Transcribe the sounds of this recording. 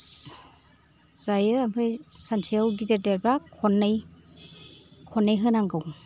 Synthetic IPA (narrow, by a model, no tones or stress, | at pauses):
z̥ajɯampʰɯjsantʰiawɡideɾdeɾbakʰɔnːɯj | kʰɔnːajɦɯnaŋɡɯw